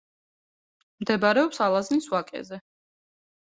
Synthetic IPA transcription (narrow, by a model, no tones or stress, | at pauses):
md̪ɛbaɾɛɔpsalˠazniswakʼɛ̰zɛ